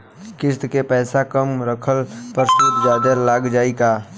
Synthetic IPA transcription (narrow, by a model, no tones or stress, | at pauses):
kɪst̪kepɛːsakəmɾəkʰəlpəɾsut̪d͡ʒaːd̪əɾlaɡd͡ʒaːekaː